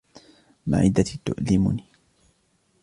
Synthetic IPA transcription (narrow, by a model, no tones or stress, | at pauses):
ma̰ʕɪ̰d̪at̪ʊ̰ʔlɪmʊ̰ni